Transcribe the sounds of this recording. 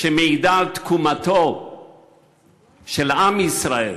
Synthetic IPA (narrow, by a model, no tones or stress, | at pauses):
ʃemeid̪alt̪kʰumat̪o | ʃelamisʁae